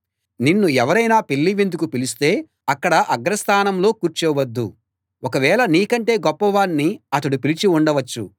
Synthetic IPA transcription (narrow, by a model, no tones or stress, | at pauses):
ninːuɛʋɐɾɐjnaːpelːiʋind̪ukupilist̪e̞ː | ɐkːɐɽɐʔɐɡɾɐst̪ʰaːnɐmlo̞ːkuːɾt͡ʃɛːʋɐd̪ːṵ | ɔkɐʋɛːɭɐniːkɐɳʈe̞ːɡɔpːɐʋaːnːiɐt̪ɐɽupilit͡ʃiuɳɖɐʋɐt͡ʃːṵ